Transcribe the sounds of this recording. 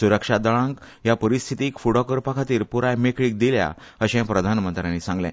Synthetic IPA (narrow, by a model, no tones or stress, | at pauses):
suɾəkʂad̪əɭãŋk | japəɾist̪ʰit̪iːkfuɽɔkəɾpakʰat̪iːɾpuɾajmekɭiːk̚d̪ilja̰əɕɛ̃pɾəd̪ʱanmənt̪ɾjãnːisãŋɡljɛ̰̃